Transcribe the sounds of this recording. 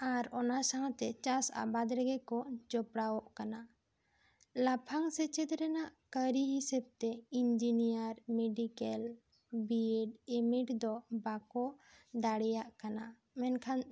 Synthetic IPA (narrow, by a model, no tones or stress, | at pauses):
aɾɔnasaɦãt̪ɛt͡ʃasa̰bad̪ɾɛɡɛkɔd͡ʒɔpɽawɔʔkana | lapʰaŋsɛt͡ʃɛt̪ɾɛnaʔkəɾiɦisɛb̚t̪ɛind͡ʒinijaɾmeɖikɛl | biɛɖɛmiʈd̪ɔbakɔd̪aɽɛjaʔkana | mɛnkʰan